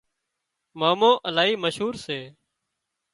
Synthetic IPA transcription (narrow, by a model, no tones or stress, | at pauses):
maːmõːʔəlaːɦiːməʃɦuːɾseː